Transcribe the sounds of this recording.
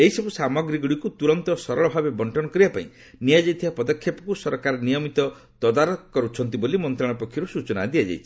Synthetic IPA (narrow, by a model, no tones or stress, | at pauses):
eɦisɔbusamɔɡɾiɡuɽikut̪uɾɔnt̪ɔsɔɾɔɭɔbʱabebɔɳʈʰɔnɔkɔɾiapaḭ̃ | nijad͡ʒajt̪ʰibapɔd̪ɔkʰːjɔpɔ̥kusɔɾkaɾɔnijɔmit̪ɔ | t̪ɔd̪aɾɔkɔɾut͡ʃʰɔnt̪̬ibolimɔnt̪ɾaɭ̃ɔpɔkʰːjɔɾusut͡ʃɔna̰d̪iad͡ʒa̰jt͡ʃʰi̥